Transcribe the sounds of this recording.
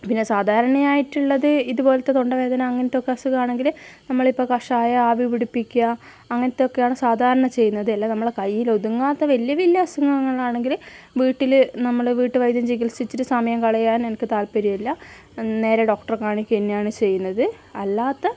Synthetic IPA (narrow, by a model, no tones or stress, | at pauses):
pinːe̞saːd̪ʱaːɾɐɳɐjaːjiʈːuɭːɐðɨiðubo̞ːlɐt̪ːe̞t̪oɳɖɐʋe̞ːd̪ɐnɐːŋːɐnɐt̪ːokːeɐsukaːɳe̞ŋɡilnɐmːɐɭipːo̞ːkɐʂaːjɐaːbiʋiɽipːikʲːɐː | ŋːɐnɐt̪ːeo̞kːe̞jaːɳɨsaːd̪ʱaːɾɐɳɐt͡ɕe̞jːunːɐðɨɐlːanɐmːɐɭkɐjːilo̞ðuŋːaːt̪ːɐʋɐlijɐʋilːɐɐsuŋːɐŋːɐɭaːɳe̞ŋɡil | ʋiːʈːilnɐmːɐɭʋiːʈːɨʋɐjd̪jɐmd͡ʑiɡilsit͡ɕːiɾusɐmɐjɐmkɐɭɐjaːnenɐkːɨt̪aːlpɐɾijilːɐ | ne̞ːɾeɖo̞ːk̚ʈɐrkaːɳikʲːuenːejaːɳɨt͡ɕe̞jːunːɐðɨ | ɐlːaːt̪ːɐ